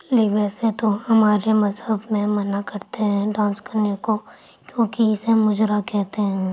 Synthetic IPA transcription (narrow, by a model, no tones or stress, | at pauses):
liʋɛːset̪oɦɐmaːɾemɐzɦəbmẽmɐnakɐɾt̪eɦɛ̃ɖãːnskɐɾneko | kjõːkiɪsemʊd͡ʒɾakɛɦt̪eɦɛ̃